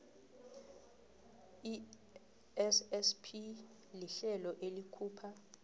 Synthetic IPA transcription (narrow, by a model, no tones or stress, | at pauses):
i | ɛsɛspʰi | liɬɛlɔʔelikʰuːpʰa